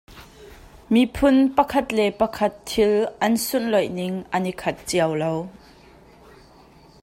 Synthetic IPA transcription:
mipʰʊnpɐkʰɐt̪lɛpɐkʰɐt̪ʰːɪlʔɐnsʊnlɔjnɪŋʔɐnikʰɐt̪̚t͡siɐwlow

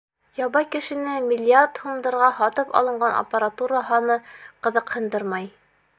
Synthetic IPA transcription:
jɑβɑjkɘ̆ʃɘ̆nɘmʲɪlʲːiart̪humd̪ɤ̆ɾʁɑhɒt̪ɤpɒ̰lˠɤ̆ɴɢɑnʔɐ̰pəɾat̪uɾaɦɑnɤqɤ̆ðɤqhɤ̆nd̪ɤɾmɑj

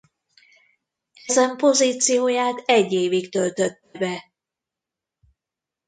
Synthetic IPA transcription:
ɛzɛmpo̞ziːt̪sijoːjaːt̪ɛɟːeːvikt̪ølt̪øt̪ːɛbɛ

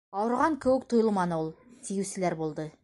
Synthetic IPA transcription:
ɑwɤ̆ɾʁɑŋkɘ̆wɘk̚t̪oujolˠmɑnɤulˠt̪ʰijɘwsɘ̆læɾbulˠd̪ɤ

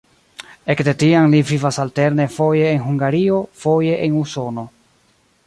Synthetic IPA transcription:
e̞kde̞tianlivivasalte̞ɾne̞fo̞je̞ːnɦuŋɡaɾio̞fo̞je̞ʔenuso̞no̞

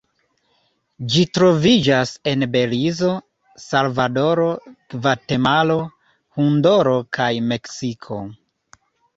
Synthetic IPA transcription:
d͡ʒitɾo̞vid͡ʒase̞nbe̞lizo̞ | salvado̞ɾo̞vate̞malo̞ | hundo̞ɾo̞kajme̞ksikʰo̞̰

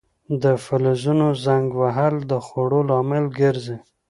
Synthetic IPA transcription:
d̪əfalazunozaŋɡwaɦald̪əxoɽolɑmɪlɡəɾzi

